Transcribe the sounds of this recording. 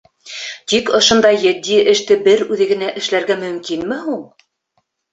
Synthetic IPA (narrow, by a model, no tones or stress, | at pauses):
t̪ikŏʃŏnd̪ɑjːɘ̆d̪ːiʔɘ̆ʃt̪ɘbɘɾʉðɘ̆ɡɘ̆næʔɘ̆ʃlæɾɡæmɵ̆mkinmɘɦuɴ